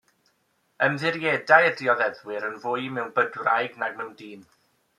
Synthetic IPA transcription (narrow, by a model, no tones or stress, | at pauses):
əmðɪɾjɛdajədiɔðɛðwɪɾənvʊɨjmɛwnbədwrajɡnaɡmɛwndiːn